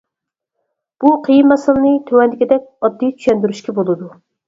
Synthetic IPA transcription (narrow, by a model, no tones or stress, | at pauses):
b̥uqʰəjinmɛsɨlˠɨnɨt̪ʰøwɛnd̪ɪkʲid̪ɛk̚ʲɑd̪ːijt͡ʃ̪ʰy̥ʃɛnd̪yɾyʃkʲʰɛbolˠɨd̪u